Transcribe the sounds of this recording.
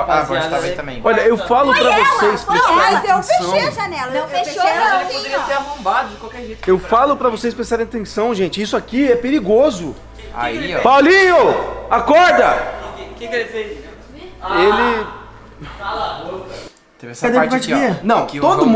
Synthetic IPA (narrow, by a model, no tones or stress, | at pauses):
aɔaẽt̪ɐ̃mbḛ̃j̃ɔʎɐewfalʊpɾɐvosejspɾesaazefeʃeɐʒɐnɛlɐewfẽʃoãelɪod̪eɾiɐseɾafõbad̪ʊd͡ʒɪkwawkɛɾʒet̪ewfalʊpɾɐvosejspɾest̪aɾẽat̪ẽsɐ̃w̃ʒẽt͡ʃɪisʊakiɛpeɾiɡozʊ | a̰pawliɲʊakɔɾd̪ɐkɪkelɪfejs | elɪ | t̪evsad̪ẽpat͡ʃiɐnɐ̃w̃t̪od̪ʊm